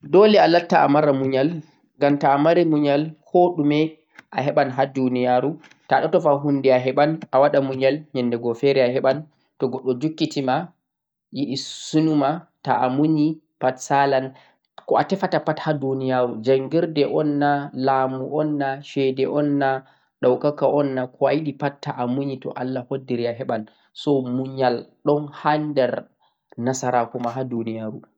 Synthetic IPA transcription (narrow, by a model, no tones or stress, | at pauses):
dɔlɛalatːaa̰maɾamuɲal | ɡamtaːmaɾimuɲalhoɗumɛ | ʔaɦɛɓanɦadunijaɾu | taɗɔtɔfaɦunːdɛaɦɛɓanʔawaɗamuɲalɲɛndɛɡɔfɛɾɛaɦɛɓan | tɔɡɔɗːɔd͡ʒukːitima | jiʔisunumataamuɲi | patsalan | kɔatɛfatapathadunijaɾud͡ʒaŋɡiɾdɛʔɔnːalaːmuʔɔnːaʃɛdɛʔɔnːa | ɗawkakaʔɔnːakʰɔajiɗipattːaʔamuɲitɔ̰ʔalːahodːiɾiaɦɛɓan | sɔmuɲalɗɔnhandɛɾ | nasaɾakɔmaɦadunijaɾu